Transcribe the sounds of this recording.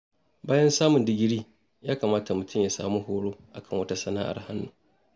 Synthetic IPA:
baː˦jɐ˦nsaː˦mʊ˨ndɪ˦ɡʲɪ˦ɽiː˦ | jaː˦ka˨maː˦ta˨mʊ˨tʰʊ˦mja˨saː˨mu˦ɦoː˦ɽoː˦ʔa̰˨kɐ˦˨ŋwɐ˦ta˦sɐ˦na̰ː˦ʔa̰˨rha˦nːu˨

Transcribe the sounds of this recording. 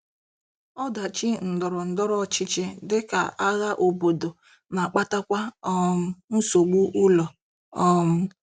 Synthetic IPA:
ɔ˦da˨t͡ʃi˦n̩˨dɔ˨ɾɔ˨n̩˨dɔ˦ɾɔ˦˨t͡ʃɪ˦t͡ʃɪ˦dɪ˦ka˨ʔa˦ɣa˦ʔo˨bo˨do˨ | na˨k͡pa˦ta˦kʷa˦m̩˦n̩˦so˨ɡ͡bu˦ʔu˦lɔ˨ | ɔ˦m̩˦

